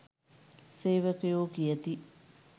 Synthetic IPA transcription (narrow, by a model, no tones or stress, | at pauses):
seːʋəkəjoːkijət̪i